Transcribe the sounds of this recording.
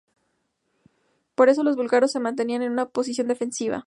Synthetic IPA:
po̞ɾe̞s̬o̞lo̞zβulɣaɾo̞sːe̞mãnt̪e̞niane̞nunapo̞sis̬jo̞nd̪e̞fe̞nsiβa̰

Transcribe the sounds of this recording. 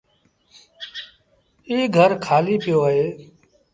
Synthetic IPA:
iːɡʱəɾkʰaːliːpɪjoːəɦeː

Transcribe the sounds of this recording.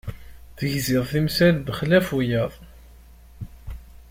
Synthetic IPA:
θəʝzɪðˤθimsælðəχlæfujəðˤ

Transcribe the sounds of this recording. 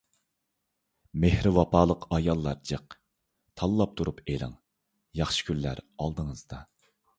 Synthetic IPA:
mehɾɪwɑpʰɑːlˠəqʰɑjɑlˠːɑɾd͡ʒəq | t̪ʰɑlˠːɑp̚t̪ʰuɾupelɪ̰ŋ | jɑχʃi̥kʲʰylːæ̰ɾɑlˠd̪əŋəzd̪ɑ

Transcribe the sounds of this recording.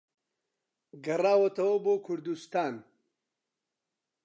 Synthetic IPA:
ɡɐraːwɐt̪ɐwɐboːkʰʊɾd̪ust̪aːn

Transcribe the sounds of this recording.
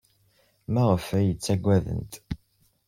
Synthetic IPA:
mæʁəfæjət͡sːæɡʷːæðə̰nt̪

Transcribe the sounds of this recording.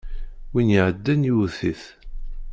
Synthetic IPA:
winjʕəd̪ːænjuθiθ

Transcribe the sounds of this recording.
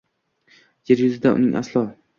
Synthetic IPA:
jeɾjʊzɪd̪aʔʊ̰nɪŋʔa̰slˠɒ

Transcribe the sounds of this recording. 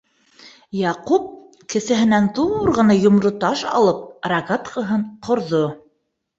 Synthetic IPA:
jɑqup̚ | kɘ̆sɘ̆ɦɘ̆nænd̪uɾʁɤ̆nɑjŏmɾot̪ɑʃɑ̰lˠɤp̚raɡat̪qɤ̆ɦɤɴqʰŏɾðo

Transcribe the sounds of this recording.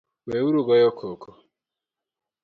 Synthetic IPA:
wewuɾuɡɔjɔkʰokʰo

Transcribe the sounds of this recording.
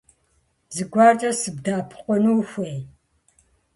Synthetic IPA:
zɨɡʷɑːt͡ʃʼɐsɨbdaːpʰɨ̥qʷɔnuːxʷej

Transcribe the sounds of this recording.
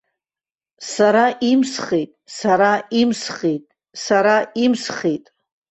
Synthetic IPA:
saɾaʔimsχejtʼsaɾaimsχetʼ | saɾaimsχetʼ

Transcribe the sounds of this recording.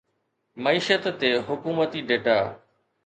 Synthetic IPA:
məiːʃət̪ːeːɦʊkuːmət̪iɖeːʈaː

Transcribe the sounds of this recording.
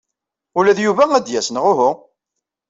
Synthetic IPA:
ulæðjuvææd̪jæsənʁʊɦʊ

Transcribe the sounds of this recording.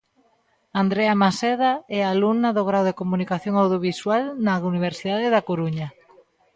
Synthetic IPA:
and̪ɾɛamasɛðaɛalunaðoɣɾawðekomunikaθjoŋawð̞joβiswalnauniβ̞eɾsiðaðeðakoɾuɲa

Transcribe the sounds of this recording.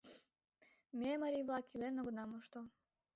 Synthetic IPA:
mʲemaɾʲivlˠɑkʰilenoɡɤnɑmoʃt̪o

